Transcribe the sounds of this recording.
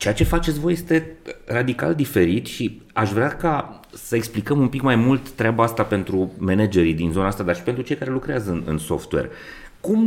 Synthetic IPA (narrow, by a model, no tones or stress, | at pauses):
t͡ʃejat͡ʃe̞fat͡ʃet̪sʲvo̞je̞st̪e̞rad̪ika̰ld̪ife̞ɾit̪ʃi | aʃvɾeaka | səeksplikəmumpikmajmult̪ːɾeabaast̪ape̞nt̪ɾumened͡ʒe̞ɾid̪inzo̞naast̪ad̪arʃi̥pent̪ɾut͡ʃe̞jkaɾe̞lukɾeazəɨnɨ̰nso̞̰ft̪we̞̰r | kum